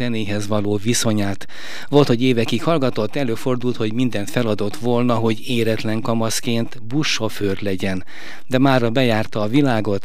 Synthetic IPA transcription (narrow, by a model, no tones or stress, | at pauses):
ɛneːɦɛzʋɒloːviso̞ɲaːt̪ | ʋo̞lt̪ho̞ɟeːvɛkikhɒlɡɒt̪o̞t̪ːɛløːfo̞rd̪ult̪ho̞ɟmind̪ɛnt̪fɛlɒd̪o̞t̪ʋolnɒɦo̞ɟeːɾɛt̪lɛŋkɒmɒskeːnt̪buʃːoføːrlɛɟɛn | d̪ɛmaːrɒbɛjaːrt̪ɒːvilaːɡo̞t̪